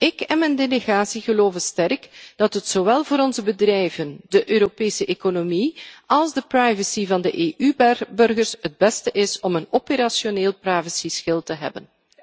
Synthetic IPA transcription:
ɪkɛnmɛndeleɣaːsiɣəloːvənstɛrkd̥ɑtɦətsowɛlˠvoːɾɔnzəbədrɛjvəndəʔøːɾopeːsəʔekonomiɑlˠzdəprajvəsivɑndəʔeːʔybbɵrɣərsɦəd̚bɛstəʔɪsɔmənopeɾasjoneːlˠprajvəsisxɪlˠtəɦɛ̰bən

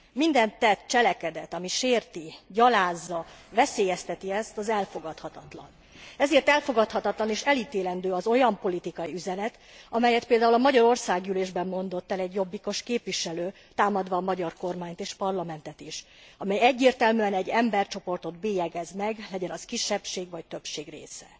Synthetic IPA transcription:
mind̪ɛnt̪ːɛt̪t͡ʃɛlɛkɛd̪ɛt̪ɒmiʃeːrt̪iɟɒlaːzːɒvɛseːjɛst̪ɛt̪iɛst̪ɒzɛlfo̞ɡɒt̪hɒt̪ɒt̪lɒ̰n | ɛzeːrt̪ɛlfo̞ɡɒt̪hɒt̪ɒt̪lɒniʃɛliːt̪eːlɛnd̪øːɒzo̞jɒmpo̞lit̪ikɒjiyzɛnɛt̪ | ɒmɛjɛt̪̚peːld̪aːulɒmɒɟɒɾo̞rsaːɡyleːʒbɛmːo̞nd̪o̞t̪ːɛlɛɟjo̞bːiko̞ʃkeːpʋiʃɛløː | t̪aːmɒd̪ʋɒːmɒɟɒrko̞rmaːɲt̪eːʃpɒrlɒmɛnt̪ɛt̪iʃ | ɒmɛjɛɟːeːrt̪ɛlmyɛnɛɟːɛmbɛrt͡ʃo̞po̞rt̪o̞d̪beːjɛɡɛzmɛɡlɛɟɛnɒskiʃːɛpʃeːɡvɒct̪ø̞pʃeːɡrḛːsɛ

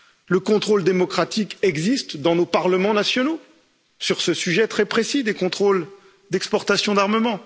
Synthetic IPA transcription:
ləkɔ̃t̪χold̪emɔkχat̪ikɛɡzist̪d̪ɑ̃nopaʁləmɑ̃nasjɔno | syʁsəsyʒɛt̪χɛpχesid̪ekɔ̃t̪χol | d̪ɛkspɔʁt̪asjɔ̃d̪aʁməmɑ̃

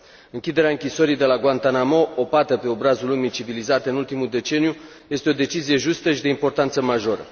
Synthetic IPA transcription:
ɨŋkʲid̪e̞ɾeaɨŋkʲisoɾijd̪e̞laɡwant̪anamo̞opat̪əpe̞o̞bɾazulumijt͡ʃivilizat̪eɨnult̪imud̪e̞t͡ʃe̞niju | je̞st̪eo̞d̪e̞t͡ʃizije̞ʒust̪əʃid̪e̞impo̞rt̪ant̪səmaʒo̞ɾə̰

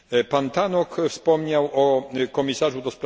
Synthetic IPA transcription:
pant̪anɔkfspɔmɲawʔɔkɔmʲisaʐud̪ɔspɾ

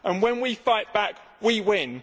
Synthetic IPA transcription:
ʔə̃nwə̃nwifaɪʔb̥ak | wiwɪ̃n

